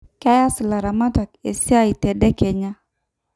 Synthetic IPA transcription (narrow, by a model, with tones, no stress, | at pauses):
ka˦ja˦sɪ˨la˨ɾa˨ma˦ta˨ke˨sja˦i˨tɛ˨dɛ˦ke˨ɲa˦